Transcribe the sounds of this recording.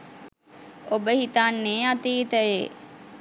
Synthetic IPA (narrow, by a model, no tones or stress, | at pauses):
obəhit̪anːeːat̪iːt̪əʋe